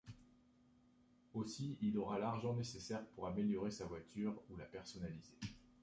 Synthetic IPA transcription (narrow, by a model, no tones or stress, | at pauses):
osiilɔʁalaʁʒɑ̃nesesɛʁpuʁameljɔʁesavwat̪ʰyʁulapɛʁsɔnalize